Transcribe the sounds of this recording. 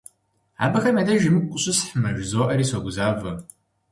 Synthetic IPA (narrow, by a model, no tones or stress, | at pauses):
a̰ːbɐxɐmɐdɐʒɪmɨkʷʼʊɕʊsħmɐʒzoːʔɐɾiːsɐɡʷʊzaːvɐ